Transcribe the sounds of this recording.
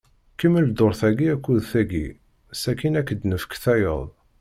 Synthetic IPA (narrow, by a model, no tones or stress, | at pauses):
kəmːəld̪oɾˤθæɡiækːuðθæɡḭ | sækinækːəd̪nəfə̥kθæjə̰ðˤ